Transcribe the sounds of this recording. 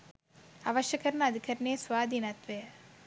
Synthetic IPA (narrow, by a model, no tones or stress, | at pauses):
ɐʋɐʃjɐkɐɾɐnɐd̪ikʰɐɾɐneːsʋaːd̪inɐt̪ʋe